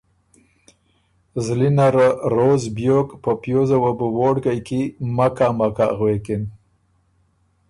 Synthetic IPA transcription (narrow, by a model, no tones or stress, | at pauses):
zlinaɾaɾozbjokpəpjozawabuwoɽɡajkimakamaka̰ɣwekɪn